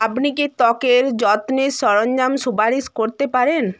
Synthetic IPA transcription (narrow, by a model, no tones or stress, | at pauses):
apniket̪ɔkeɾd͡ʑɔt̪nisɔɾoɲd͡ʑamʃupaɾiskoɾt̪epaɾen